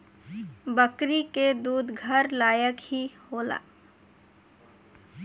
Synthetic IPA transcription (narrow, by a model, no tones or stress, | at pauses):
bəkɾiked̪uːd̪ɡʱəɾlaːjəkhihoːla̰ː